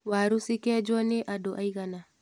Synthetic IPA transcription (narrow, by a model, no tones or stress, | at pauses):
waɾusikɛd͡ʒɔneʔadɔʔaiɣana